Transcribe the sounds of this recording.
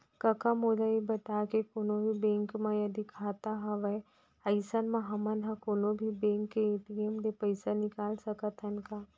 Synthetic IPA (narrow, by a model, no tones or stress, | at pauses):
kɐkamoːlaibɐt̪aːkekoːnobʱibẽːŋkmãjɐd̪ikʰaːt̪aɦɐʋɐe | ɐɪsənmãɦɐmənɦãkoːnobʱibẽŋkːeeːʈiemd̪epɐɪsanɪkaːlsɐkət̪ʰənkaː